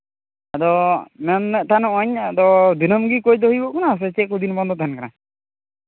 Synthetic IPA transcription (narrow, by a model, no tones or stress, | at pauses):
ad̪ɔmɛnːɛʔt̪ʰanɔʔɔɲad̪ɔd̪inɔmɡikojd̪ɔɦijbɔʔkɔnas̬ɛt͡ʃɛkud̪inbɔnd̪ɔt̪ɛnkaɾa